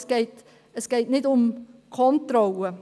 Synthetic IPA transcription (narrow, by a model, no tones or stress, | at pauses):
sɡ̥eɪt | əsɡ̥eɪtnɪdʊmkʰɔntrɔlə